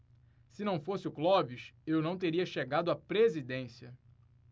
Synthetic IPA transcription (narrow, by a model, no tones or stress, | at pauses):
sɪnɐ̃w̃fosɪʊklɔviʃewnɐ̃w̃t̪eɾiɐʃeɡad̪ʊapɾezid̪ẽsiɐ